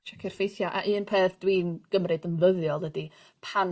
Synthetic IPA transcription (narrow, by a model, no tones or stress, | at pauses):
t͡ʃʰɛkʰɪr̥fejθjaʔaʔɨːnpʰeːθd̥wiːnɡ̥əmrɨdənvəðjɔlˠdədi | pʰan